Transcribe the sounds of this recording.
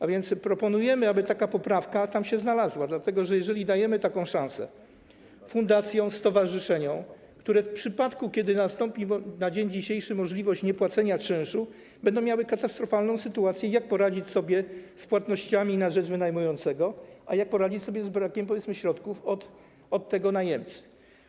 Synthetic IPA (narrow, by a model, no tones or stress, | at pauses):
avʲjɛnt̪spɾɔpɔnujɛmɘabɘt̪akapɔpɾafkat̪amɕɛznalazwad̪lat̪ɛɡɔʐɛjɛʐɛlʲid̪ajɛmɘt̪akɔ̃w̃ʂãw̃sɛ̰ | fund̪at̪sʲjɔ̃w̃st̪ɔvaʐɘʂɛɲɔ̃w̃ | kt̪uɾɛfpʂɘpat̪kukʲɛd̪ɘnast̪ɔmpʲinad͡ʑeɲd͡ʑiɕejʂɘmɔʐlʲivɔɕt͡ɕɲɛpwat̪sɛɲat͡ʂɘ̃ʂu | bɛnd̪ɔ̃mʲjawɘkat̪ast̪ɾɔfalnɔ̃w̃sɘt̪uat̪sʲjɛjak̚pɔɾad͡ʑit͡ɕsɔbʲjɛspwat̪nɔɕt͡ɕamʲinaʐɛd͡ʐvɘnajmujɔnt̪sɛɡɔʔajak̚pɔɾad͡ʑit͡ɕsɔbʲjɛzbɾakʲɛmp̬ɔvʲjɛt̪smɘɕɾɔt̪kufɔt̪ | ɔt̪ːɛɡɔnajɛmt̪s